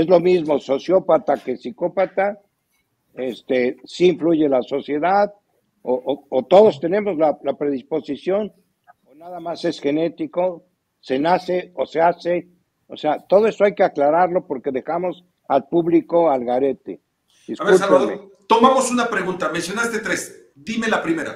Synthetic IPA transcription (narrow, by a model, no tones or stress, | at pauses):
e̞zlo̞mizmo̞so̞sjo̞pat̪ake̞siko̞pat̪a | est̪esiːɱfluʝe̞laso̞sjeðað | oʔoot̪o̞ðo̞st̪e̞ne̞mo̞zlalapɾe̞ðisposisjo̞n | onaðamase̞sxe̞ne̞t̪iko̞ | se̞nase̞ose̞ase | oseat̪o̞ð̞o̞e̞so̞ajke̞aklaɾaɾlo̞po̞ɾke̞ðe̞xamo̞s | alpuβliko̞alɣaɾe̞t̪ḛ | d̪iskaβeulaaðmet̪omamosunapɾeɣunt̪amensjo̞nast̪et̪ɾes | d̪ime̞lapɾime̞ɾa̰